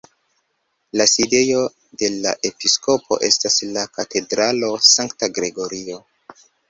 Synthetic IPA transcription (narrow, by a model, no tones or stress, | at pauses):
laside̞jo̞ | de̞la̰ʔe̞pisko̞pʰo̞̰ʔe̞staslakate̞dɾalo̞saŋktaɡɾe̞ɡo̞ɾio̞